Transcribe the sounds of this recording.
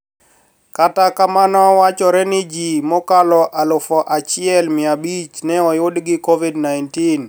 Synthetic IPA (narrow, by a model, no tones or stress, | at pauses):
katakamanɔwat͡ʃɔɾɛnɪd͡ʒimɔkalɔʔalʊfɔʔat͡ʃɪɛlmɪabit͡ʃnɛɔjʊdɡɪkovidnajntin